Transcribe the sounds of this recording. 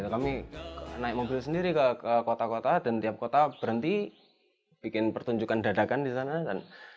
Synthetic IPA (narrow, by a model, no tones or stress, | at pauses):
it̪ukaminaɪk̚mobilus̬əndiɾikəkəkot̪akot̪ad̥ant̪iap̚kot̪ab̥əɾənt̪i | b̥ikɪnpərt̪uɲd͡ʒukandadakandisanakan